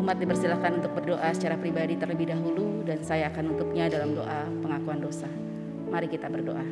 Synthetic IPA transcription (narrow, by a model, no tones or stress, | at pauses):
umat̪̚dipərsilakanunt̪ʊk̚bərdoʔasə̥t͡ʃaɾapɾibadit̪ərləbɪhdaɦuludansajaːkanunt̪ʊp̚ɲadalamdo̰ʔapəŋakuandosa | maɾikit̪abərdo̰ʔa